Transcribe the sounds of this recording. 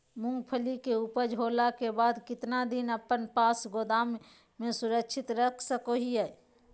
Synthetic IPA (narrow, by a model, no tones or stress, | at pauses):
mʊ̃ŋɡpʰəlikeupəd͡ʒɦoːlakebaːd̪kɪt̪nad̪ɪnəpənpaːsɡoːd̪aːmː | ẽsʊɾəkʃʰɪt̪ɾəkʰsəkoɦiɦɛː